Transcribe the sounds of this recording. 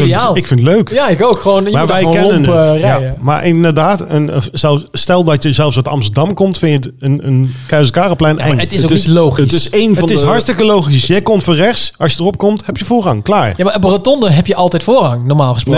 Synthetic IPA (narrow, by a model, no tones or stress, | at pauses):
alˠɪkfɪntløɥkjaɪkokχəʋownmaːʋɛjkɛnənərjama̰ɹʔɪndədaːtənəzɛlˠfstɛlˠdɑtjəzɛlˠsətɑ̰mstədɑmkɔmtfɪnətənənkɛɥsəkaːrəplɛjnɛŋətɪsotnilowχstɪsejnvətɪɦɑɹtstɪkəlowχisjəjkɔmtfoːrɛχsʔɑsjədərɔp̚kɔmthɛpjəvʊːɹɑŋklaːɹjamaəbrətɔndəɦɛpjəʔɑlˠtɛjtfʊːɹɦɑŋnɔɹmaːlˠχəsp